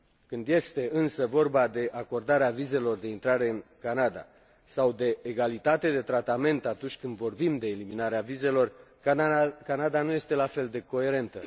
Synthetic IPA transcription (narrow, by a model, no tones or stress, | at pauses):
kɨnd̪je̞st̪e̞ɨnsəvo̞rbad̪e̞ʔako̞rd̪aɾeavize̞lo̞rd̪e̞int̪ɾaɾe̞ɨnkanad̪a̰ | sawd̪e̞ːɡalit̪at̪e̞d̪e̞t̪ɾat̪ame̞nt̪at̪unt͡ʃʲkɨnd̪vo̞rbimd̪e̞ːliminaɾeavize̞lo̞r | kanad̪anuje̞st̪e̞lafe̞ld̪e̞ko̞e̞ɾe̞nt̪ə̰